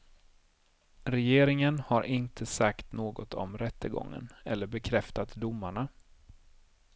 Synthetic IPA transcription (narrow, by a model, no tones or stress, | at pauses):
ɾɛjeːɾɪŋənhaɾʔɪnt̪ʰəsakt̪noːɡɔt̪ʰɔmɾɛt̪ːəɡɔ̰ŋːə̰nɛlːəɾbɛkʰɾɛft̪at̪d̪ʊmːaɳa